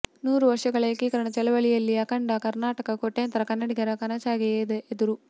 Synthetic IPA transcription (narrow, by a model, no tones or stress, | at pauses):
nuːɾuʋɐɾʂɐɡɐɭɐkikɐɾɐɳɐt͡ʃɛlɐʋɐɭijɐlːiɐkɐɳɖɐkɐɾnaːʈɐkɐkoʈːeːɐnt̪ɐɾɐkɐnːɐɽiɡɐɾɐkɐnɐt͡ʃaːɡejeːd̪eʔed̪uɾu